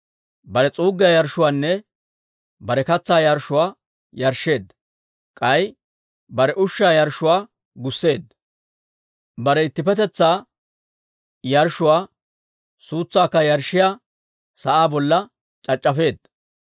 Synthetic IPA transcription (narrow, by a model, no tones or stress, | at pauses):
bɐɾɛt͡sʼuːɡːɪjajɐɾʃʊwaːnːɛ | bɐɾɛkɐt͡sːaːjɐɾʃʊwaː | jɐɾʃːe̞ːd̪ː | kʼɐj | bɐɾɛʔʊʃːaːjɐɾʃʊwaː | ɡʊsːe̞ːd̪ | bɐɾɛɪt̪ːɪpɛt̪ɛt͡sːaː | jɐɾʃʊwaː | suːt͡sːaːkːɐjɐɾʃːɪjaː | sɐʔaːbɔlːɐ | t͡ʃʼɐt͡ʃʼːɐfe̞ːd̪̚